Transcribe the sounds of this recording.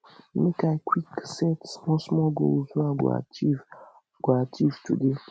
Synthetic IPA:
mekaɪkʰwiksɛtsmɔ̃smɔlɡo̰zuaɡ̰a̰iv | ɡ̥atʰivtude

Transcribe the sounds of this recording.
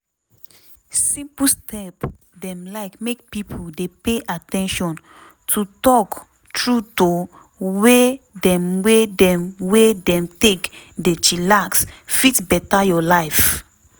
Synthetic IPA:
sĩmpustʰɛp | dɛ̃mlaɪkmek̚pipʰudepeʔatɛ̃nʃɔ̃n | tʰutɔk | tɹuto | wedɛ̃mwedɛ̃mwedɛ̃mtekdet͡ʃilaksfitbɛtajɔlaɪf

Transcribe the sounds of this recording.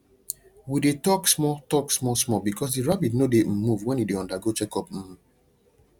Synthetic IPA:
widetɔksmɔtɔksmɔsmɔbikɔs̬diɹabitnodem̩mːuvwɛ̃njideɔ̃ndaɡot͡ʃɛkɔpm̩

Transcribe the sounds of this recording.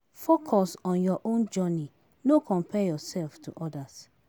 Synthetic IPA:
fokʰɔsɔ̃njɔʔõnd͡ʒɔni | nokʰɔ̃mpʰɛjɔsɛlftʰṵʔɔdas

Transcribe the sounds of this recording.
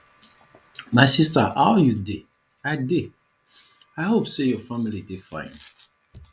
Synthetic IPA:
maɪsistaʔaʊjude | aɪde | aɪhopsejɔfamilidefã̰ɪ̰̃n

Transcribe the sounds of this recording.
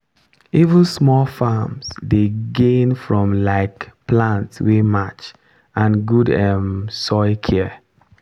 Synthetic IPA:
ivə̃nsmɔlfamsdeɡẽnfɹɔ̃mlaɪkplãntswemat͡ʃ | ãnɡudɛmsɔɪkʰɛ

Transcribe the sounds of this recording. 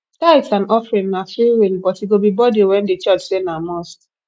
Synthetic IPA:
taɪsanɔfɾinːafiwinbɔtiɡobibɔdiwɛ̃n̩det͡ʃɔt͡ʃsenamɔs

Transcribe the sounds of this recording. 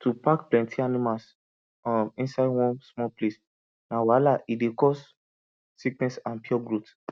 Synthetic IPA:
tʰupakplɛ̃ntʰianimals | ɔmĩnsaɪdwɔ̃nsmɔlples | nawalaʔidekɔs | siknɛsãnpiɔɡɹot

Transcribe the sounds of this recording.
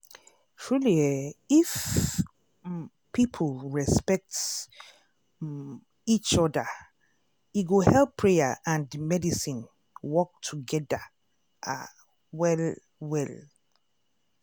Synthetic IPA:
fɹuliaif | pʰipʰolɹɛspɛk̚t | it͡ʃɔda | iɡohɛlpʰːɹejaʔãndmɛdisĩn | wɔk̚tʰuɡɛda | ʔa̰ | wɛl | wɛl

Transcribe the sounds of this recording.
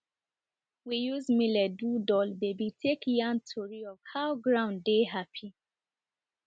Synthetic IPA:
wijuzmilɛdudɔlbebitʰekjãntʰɔɹiɔv̥haʊɡɹãʊ̃ndeɦapʰi

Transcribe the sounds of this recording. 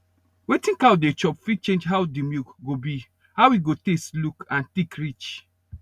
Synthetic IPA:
wetĩŋkawdet͡ʃɔpfit͡ʃẽnd͡ʒɦawdimjukɡobi | hawwiɡotestlukãntikɹit͡ʃ

